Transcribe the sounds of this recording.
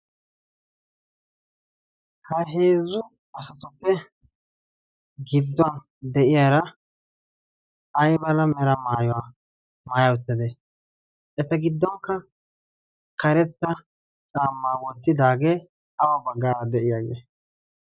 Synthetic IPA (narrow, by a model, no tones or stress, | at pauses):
hɐɦeːzʊ | ɐsɐt̪ʊpːɛ | ɡɪd̪ːʊan | d̪ɛʔɪjaːɾɐ | ɐjbɐlɐmɛɾɐmaːjɔwa | maːjɐwʊt̪ːɛd̪ɛ | ɛt̪ɐɡɪd̪ːɔŋkːɐ | kɐɾɛt̪ːɐ | t͡sʼaːmːaːwɔt̪ːɪd̪aːɡeː | ɐwɐbɐɡːaːɾɐd̪ɛʔɪjaːɡḛː